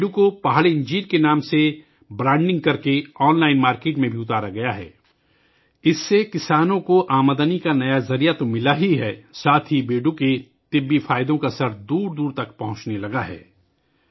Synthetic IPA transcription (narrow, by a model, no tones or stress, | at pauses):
ɖukopaɦɭeɪ̃ɲd͡ʒiːɾkenaːmse | bɾãːɳɖɪ̃ŋɡ̚kɐɾkeɔːnlaːɪnmaːɾkeːʈmẽbʱiʊt̪aːɾaɡɐjaɦɛ̰ː | ɪsːekɪsaːnõkoʔaːməd̪ənikanɐjazɐɾijat̪omɪlaɦiɦɛːsaːt̪ʰibeːɖuke | t̪ɪbːifaːɪd̪õkasɐɾd̪uːɾd̪uːɾt̪ɐkpɐɦʊ̃t͡ʃnelɐɡaɦɛ̰ː